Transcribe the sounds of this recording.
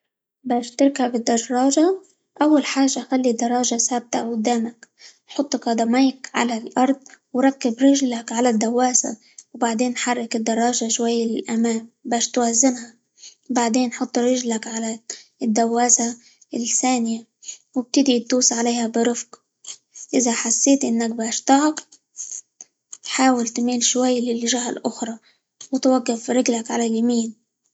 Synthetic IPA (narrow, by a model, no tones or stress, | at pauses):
baːʃt̪ɪɾˤkabɪd̪ːɑʒɾˤɑːʒa | ʔawːalħaːʒːaʔxalːid̪ɑɾˤːɑːʒasaːb̚t̪aʔʊd̪ːaːmak | ħʊt̪ˤːkɑd̪ˤɑmajkʕa̰lalʔɑɾˤd̪̚ˤwɾˤɑkːɪbɾɪʒlakʕalad̪ːawːaːsa̰ | wbaʕd̪eːnːħɑrˤːɪkɪd̪ːɑɾˤːɑːʒaʃwajːalɪʔamaːmbaːʃt̪wazːɪmha | baʕd̪eːnːħʊt̪ˤːɾɪʒlakʕalad̪ːawːaːsa | lθaːnɪja | wɪb̚t̪ɪd̪it̪uːsʕaleːhabɪɾˤɪfq | ʔɪzaħasːeːt̪ʔɪnːak̚baːʃt̪ɑʕɑq | ħaːwɪlt̪miːlʃwajːlɪlʒahalʔʊxɾˤɑ | wɪt̪waɡːɪfɾɪɡlakʕalaljamiːn